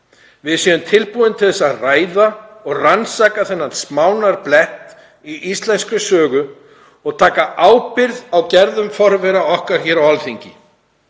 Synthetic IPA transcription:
vɪðsjɛðʏmt̪ʰɪlpuðɪnt̪ʰɪlɛsːaraːjðaɔɣransaːkaθɛnːansmaːwnaɾplɛht̪ | iʔist̪lɛnskʏsœːɣʏ | ɔɣt̪ʰaːkaʔaːwpɪɾðawcɛɾðʏmfɔɾvɛɾaɔhkaɾ̥çɛːɾawalθiɲcɪ

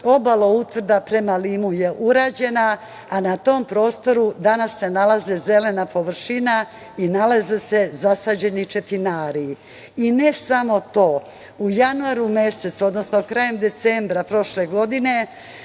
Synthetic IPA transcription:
o̞balo̞ut̪ʋr̩d̪apɾe̞maliːmuje̞ʔuɾaːd͡ʑe̞na | anat̪o̞ːmpɾo̞ːst̪o̞ɾud̪anasːe̞nalˠazeze̞le̞napo̞ʋr̩ʃina | inalazese̞zasaːd͡ʑe̞nit͡ʃe̞t̪inaːɾi | ine̞samo̞t̪o̞ː | ujanuaɾumese̞t̪so̞d̪no̞snokɾaje̞md̪e̞t̪sembɾapɾo̞ʃle̞ɡo̞d̪ine̞

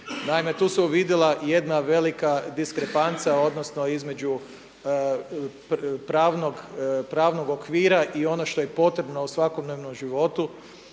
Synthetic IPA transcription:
naime̞t̪uːsuuʋid̪jelˠaje̞d̪naʋe̞likad̪iskɾepant̪sao̞d̪nosnoizme̞d͡ʒu | ppɾaːʋnoɡpɾaːʋno̞ɡo̞kʋiːɾaʔio̞noʃt̪o̞jepo̞t̪ɾe̞bnousʋakod̪neʋnomʒiʋo̞t̪u

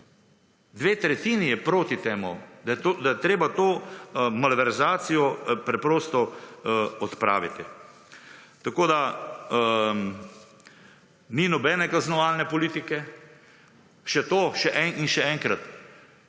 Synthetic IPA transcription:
d̪ʋeːt̪ɾɛt̪iːnijɛpɾoːt̪it̪eːmud̪ajɛt̪od̪ajɛt̪ɾeːbat̪oːmalʋɛɾzaːsijɔpɾɛpɾoːst̪ɔ | ɔt̪pɾa̰ːʋit̪i | t̪akoːd̪a | ninɔbɛnɛkaznɔʋaːlnɛpɔliːt̪ikɛ | ʃɛt̪oːʃɛʔɛŋinʃɛɛːŋkɾat̪

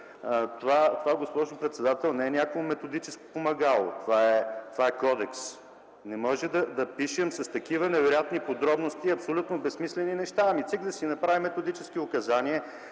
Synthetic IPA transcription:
t̪ovat̪ovaɛɡospɔʒʊpɾɛt̪sɛd̪at̪ɛlˠnɛɛnʲjakoʊmɛt̪od̪it͡ʃɛsko̥pomɐɡalˠo̰t̪ovaɛt̪ovaɛkɔd̪ɛks | nɛmɔʒɛd̪ɐd̪ɐpiʃɛmsɐst̪ɐkivənɛvɛɾjat̪nipod̪ɾɔbnost̪iːɐpsolʲut̪nobɛsmislɛninɛʃt̪aɐmit̪sikd̪ɐsinɐpɾavimːɛt̪od̪it͡ʃɛskiʊkɐzaniɛ

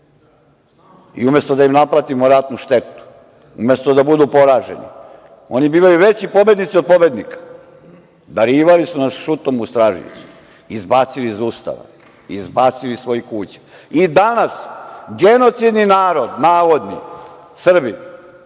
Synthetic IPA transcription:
ḭume̞st̪od̪aimnapɾat̪imoɾat̪nuʃt̪e̞t̪u̥ | ṵmest̪od̪abud̪upo̞ɾaːʒḛnḭ | onibiːʋajuʋet͡ɕipo̞bje̞d̪nit̪siod̪̚pobed̪nikḁ | d̪aɾiːʋalisunasʃut̪omust̪ɾaːʒḭs | izbaːt̪siliːzuːst̪a̰ʋa̰ | izbaːt̪silisʋo̞jikuːt͡ɕḁid̪anasɡeno̞t̪sid̪ninaːɾod̪naːʋod̪nḭ | sr̩bi

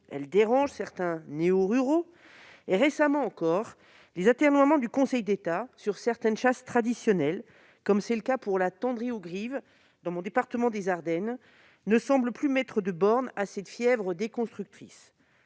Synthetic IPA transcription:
ɛ̰ld̪eʁɑ̃ʒsɛʁt̪ɛ̃neoʁyʁo | eʁesamɑ̃ːkɔʁ | lezat̪ɛʁnwamɑ̃d̪ykɔ̃sɛjd̪et̪asyʁsɛʁt̪ɛnʃast̪χad̪isjɔnɛl | kɔmsɛləkapuʁlat̪ɑ̃d̪ʁioɡʁiv | d̪ɑ̃mɔ̃d̪epaʁt̪əmɑ̃d̪ezaʁd̪ɛnː | əsɑ̃bləplymɛt̪χəd̪əbɔʁnasɛt̪fjɛvʁəd̪ekɔ̃st̪χyk̚t̪χis

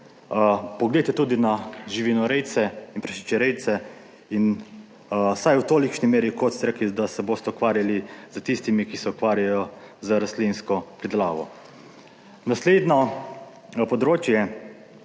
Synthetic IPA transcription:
pɔɡlejt̪ɛt̪uːd̪inaʒiʋinɔɾɛjt̪sɛinpɾɛʃi̥t͡ʃɛɾɛjt̪sɛ | in | sajwt̪oːlikʃnimeːɾikot̪sɾɛkid̪asɛboːst̪ɛukʋaːɾjalizət̪ist̪imikisɛukʋaːɾjajɔzəɾaslinskɔpɾid̪ɛla̰ːʋɔ̰ | nasleːd̪nɔ | pɔd̪ɾoːt͡ʃjɛ

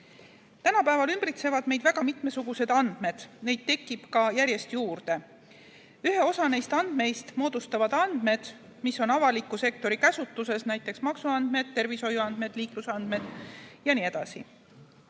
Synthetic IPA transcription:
t̪ænɑpæevɑlymb̥rit̪se̞vɑd̪̥me̞jd̪væɡ̥ɑmit̪me̞suɡ̥use̞d̪̥ɑnd̪̥me̞d̪̥ne̞jd̪̥̚t̪e̞kːˑib̥kɑjæɾje̞st̪juːrd̪̥e̞ | yɦe̞o̞sɑne̞jst̪ɑnd̪̥me̞jst̪mo̞ːd̪̥ust̪ɑvɑd̪̥ɑnd̪̥me̞d̪̥ | miso̞nɑvɑlikːˑuse̞k̚t̪o̞ɾikæsut̪ːˑuse̞snæjt̪ːˑe̞ksmɑksuɑnd̪me̞d̪̚t̪ːe̞rviso̞juɑnd̪me̞d̪̥liːklusɑnd̪̥me̞d̪̥jɑniːe̞d̪̥ɑsḭ

